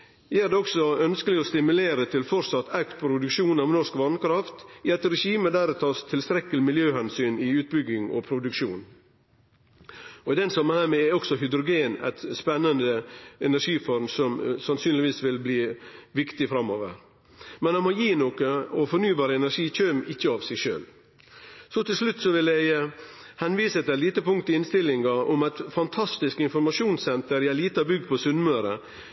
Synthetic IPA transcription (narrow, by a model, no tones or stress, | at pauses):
jææɾd̪ɛɔksɔœnskəlɪɔst̪ɪmʉleːɾət̪ʰɪlfɔɾsɑt̪ːʰækt̪̚pʰɾʊd̪ʉkʂuːnɑʋnɔʂkʋɑnkɾɑft̪ɪɑt̪ɾɛʂiːməd̪æːɾɛt̪ʰɑːst̪ʰɪlst̪ɾɛkːəlɪmɪljøːhɛnsyːnɪʉːt̪̚bʏɡɪŋɔ̰pʰɾʊd̪ʉkʃuːn | ɔɪd̪ɛnsɑmːənhæːɾmɛɛɔksɔɦʏd̪ɾʊɡeːnæ̰ɪt̪spɛnːənd̪əɛnæʂiːfɔɾmsɔmsɑnsyːnlɪʋiːsʋɪlbliːʋɪkt̪ɪfɾɑmːoːʋə̰ɾ | mɛnhɑnmɔjiːnokəɔfɔɾnyːbɑːɾəɛnæɾʂiːc͡çøːmɪçːəɑːʋsɛɡʂø̰ːl | sɔt̪ʰɪlʂlʉt̪ːsɔʋɪlæhɛnʋiːsət̪ɪæliːt̪əpʊŋkt̪ɪɪnst̪ɪlɪŋɡɑɔmæɪt̪fɑnt̪ʰɑst̪ɪskɪnfɔɾmɑʃjuːnsɛnt̪əɾjææliːt̪əɑbʏɡd̪̚pʰɔsʉnmøːɾə